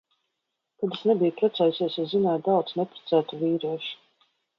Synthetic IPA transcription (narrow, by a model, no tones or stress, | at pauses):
kad̪esnɛbijupɾat̪saːjusiɛsazinaːt̪̚d̪awd̪znɛpɾḁt̪sæːt̪uviːɾiɛʃu̥